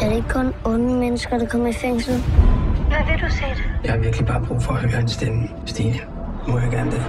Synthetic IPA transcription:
æɐɾee̝ɡ̥əkʰɔ̽nɔ̽nəmenəsɡ̥ɐd̥ɑ̈kʰɒ̽m̰ɐifeŋ̰sl̩ʋæʋed̥useːd̥ejɑ̈hɑ̈ʋiɐɡ̥lib̥ɑ̈ːb̥ʁṵːfɒːhøɐensd̥en | sd̥ḭːə | mɔjɑɡ̥æɐnəd̥e

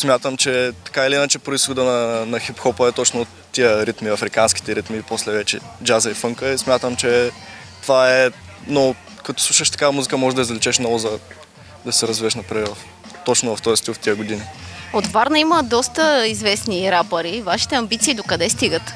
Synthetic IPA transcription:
smʲjat̪əmt͡ʃɛt̪ɐ̥kailiinət͡ʃɛpɾoisxod̪ənɐnɐxipxɔpəɛt̪ɔt͡ʃnot̪ːiəɾit̪miɐfɾikanski̥t̪ɛɾit̪miposlɛvɛt͡ʃɛ̰d͡ʒazɐifɤŋkəismʲat̪əmt͡ʃɛ | t̪ovaɛ | no | kɐt̪ɔ̥slˠuʃəʃt̪ɐ̥kamuzikəmɔʒɛd̪ɐizvlit͡ʃɛʃnɔvʊzɐ | d̪ɐsɛɾɐzviɛʃnɐpɾajvɐf | t̪ɔt͡ʃnovɐft̪ɔjɛst̪ilˠft̪iəɡod̪iniot̪vaɾnɐiməd̪ɔst̪əizvɛsniɾapəɾivaʃi̥t̪ɛɐmbit̪siːd̪okɐd̪ɛst̪iɡət̪

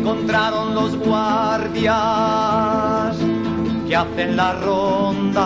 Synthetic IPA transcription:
ko̞nt̪ɾaɾo̞nlo̞zɣwaɾðja | s | keaθe̞nlarond̪a

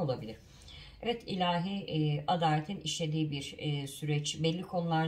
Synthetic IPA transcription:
o̞lˠabilʲiɾ̥ | ɛvɛt̪ʰilʲaːɦiad̪aːlʲet̪ʰiniʃlʲe̞d̪iːbiɾsyɾɛt͡ʃbɛlʲːikʰo̞nulˠaɾ

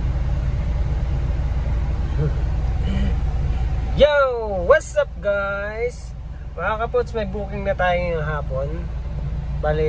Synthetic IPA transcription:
jowɐsɐp̚ɡajs | mɐhakɐpot̪smɐjbuːkɪŋnɐt̪aːjoŋɐɦaːpon | balɪ

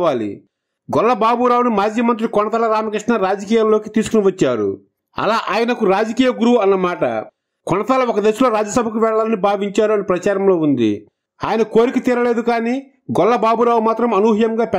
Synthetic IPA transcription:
aːlḭ | ɡɔlːɐbaːbuɾaːwunumaːd͡ʒjɐmɐnt̪̬ɾikɔɳɐt̪aːlɐɾaːmɐkɾiʂɳɐɾaːd͡ʒɐkiːjaːllo̞ːkit̪iːsukuniʋɐt͡ʃːaːɾṵ | ɐ̰laːʔaːjɐnɐkuɾaːd͡ʒɐkiːjɐɡuɾuwuɐnːɐmaːʈɐ̰ | kɔɳɐt̪aːlɐɔkɐd̪esulo̞ːɾaːd͡ʒːɐsɐbʱɐkuʋɛɭːaːlɐnibʱaːʋiɲt͡ʃaːɾuɐnipɾɐt͡ʃaːɾɐmlo̞ːund̪ḭ | a̰ːjɐnɐko̞ːɾikit̪iːɾɐle̞ːd̪ukaːniː | ɡɔlːɐbaːbuɾaːwumaːt̪ɾɐmɐnuːɦijɐmɡaːpɛ

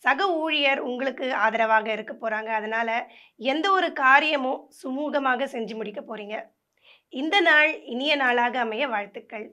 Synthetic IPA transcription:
sɐɣɐuːɻɪjɐɾʊŋɡɐɭɯkːɯaːðɐɾɐʋaːɣɐɪɾɯkːɐpːoːɾaːŋɡɐːðɐnaːlɐ | ɛnd̪ɐɔɾɯkaːɾɪjɐmʊ̃sʊmuːɣɐmaːɣɐsɛɲd͡ʒɯmʊɽɪkːɐpoːɾiːŋɡɐ | ɪnd̪ɐnaːɭɪnɪjɐnaːɭaːɣɐːmɐjɐʋaːɻt̪ːɯkːɐɭ

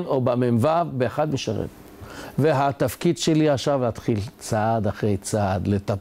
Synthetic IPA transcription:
nobamenvavbeːχad̪miʃaʁḛm | veɦat̪afkid̪ʃeliaχʃavlat̪χilt͡sad̪aχʁejt͡sad̪let̪a

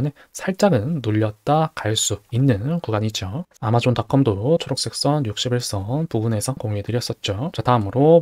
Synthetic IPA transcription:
ne̞ | sʰaɭt͡ɕ͈aɡɯnːuʎːʌt̚t͈akaɭs͈uinːɯnkuɡaɲid͡ʑoamad͡ʑontak͈ʰʌmdot͡ɕʰoɾok̚s͈ek̚s͈ʌnjuk̚ɕ͈ibiɭs͈ʌnpuɡune̞sʰʌŋkoŋuɦedɯɾijʌs͈ʌt̚t͡ɕ͈ot͡ɕataɯmɯɾo

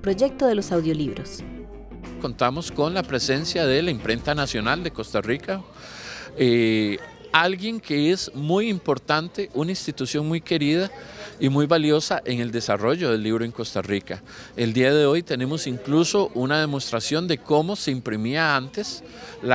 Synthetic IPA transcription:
pɾoʝek̚t̪oðelosawðjo̞liβɾos | ko̞nt̪amo̞sko̞nlapɾe̞se̞nsjaðe̞laimpɾe̞nt̪anasjo̞nald̪e̞ko̞st̪arika | e | alɡje̞ŋkʰe̞esmujimpo̞ɾt̪ant̪e̞ʔunainst̪it̪usjo̞ŋmujke̞ɾið̞aimujbaljo̞saʔe̞ŋe̞ld̪e̞saro̞ʝo̞ðe̞lːiβɾoe̞ŋko̞st̪arika | e̞ld̪iaðe̞o̞jt̪e̞ne̞mo̞siŋkluso̞ʔunað̞e̞most̪ɾasjo̞nd̪e̞ko̞mo̞se̞impɾimiaant̪e̞s | la

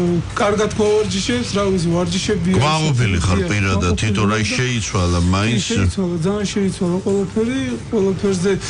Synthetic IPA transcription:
kʼaɾɡad̪kʰavaɾd͡ʒiʃɛpsɾavit̪sʰɛvaɾd͡ʒiʃɛbiɡmaqʼɔɔpʰiliχaɾpʼiɾad̪at̪t̪ʰːit̪ʰɔɾaiʃɛit̪sʰwalamainst̪sʰwalad̪zaːnʃɛit̪sʰwalaqʼwɛlapʰɛɾiqʼwɛlapʰɛɾzɛ

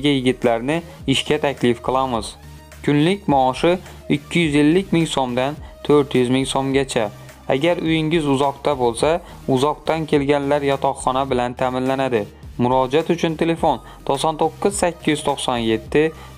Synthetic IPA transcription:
ɡʲajɪɡʲɪt̪ʰlaɾnɪ | ɪʃkʲat̪ʰakʲʰlɪfqʰɨlˠamɪz | kʰʲʊnlɪkʲmɒːʃɪ | ɪkʲʰːɪjʏze̞lːɪkʲmɪŋsomd̪ant̪ʰɵɾt̪jʊzmɪŋsomɡʲat͡ʃʰa | a̰ɡʲaɾʊjɪŋɪzʊzɒqt̪abolˠsa | ʊzɒq̚t̪ankʲʰe̞lɡʲanlaɾjɒt̪ʰɒqχːɒnabɪlant̪ʰamɪnlanad̪ɪmʊɾɒd͡ʒat̪ʊt͡ʃʰʊnt̪ʰe̞le̞fo̞n | t̪ʰosɒnt̪ʰoqːɨz̥sakʲːɪjɪz̥t̪ʰoqsɒnje̞t̪ʰːɪ

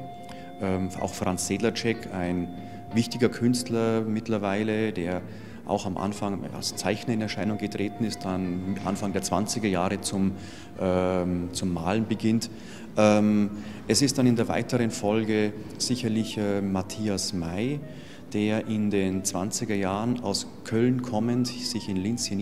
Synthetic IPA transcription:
ʔɛːma̰ʊxfʁ̥ant͡sz̥eːdlɐt͡ʃɛkʰaɪn | vɪçtɪɡɐkʰʏnstlɐmɪtlɐvaɪləd̥eːɐ | ʔa̰ʊxamʔa̰nfaŋa̰lst͡saɪçnɐɪnɛɐʃaɪnʊŋɡətʁ̥eːtn̩ɪst̚d̥anʔa̰nfaŋdeːɐt͡sv̥a̰nt͡sɪɡɐjaːʁət͡sʊm | ʔɛt͡sʊmːaːlənbəɡɪnt | ʔɛm | ʔɛsɪst̚d̥anɪndeːɐva̰ɪtəʁənfɔlɡə | z̥ɪçɐlɪçɛːmatʰiːasmaɪ | d̥eːɐʔɪndeːnt͡sv̥a̰nt͡sɪɡɐjaːʁəna̰ʊs | kʰœlnkʰɔməntz̥ɪçɪnlɪnt͡sjən

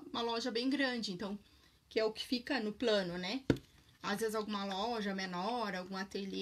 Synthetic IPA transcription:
ũmɐlɔʒɐbẽj̃ɡɾɐ̃d͡ʒɪẽnt̪ɐ̃w̃ | kɪɛʊkɪ̥fikɐnʊplɐ̃nʊnɛ | azvezɪzawɡũmɐlɔʒɐmenɔɾawɡũat̪eli

